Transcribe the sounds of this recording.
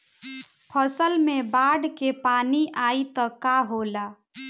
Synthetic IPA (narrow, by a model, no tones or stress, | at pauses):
pʰəsəlmebaɖkepaniʔait̪ɔkaɦola